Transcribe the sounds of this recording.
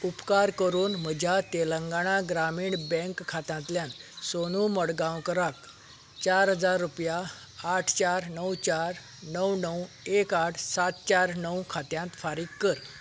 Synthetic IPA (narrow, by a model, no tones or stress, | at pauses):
upkaɾkəɾuːnm̤əd͡ʑʱjat̪eləŋɡaɽ̃aɡɾamiːɳbə̃ŋkʰːat̪ãnt̪ljãnsonuməɽɡãwkəɾak | t͡ɕaɾɦəd͡zaɾːupjaː | ʈʰt͡ɕaɾnəwt͡ɕaɾ | nəwnəw | ekaʈʰsat̪̚t͡ɕaɾnəwkʰat̪jãnt̪faɾiːkːəɾ